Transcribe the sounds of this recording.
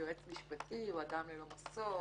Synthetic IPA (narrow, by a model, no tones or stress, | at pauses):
oet͡smiʃpat̪ʰiwad̪amlelomaso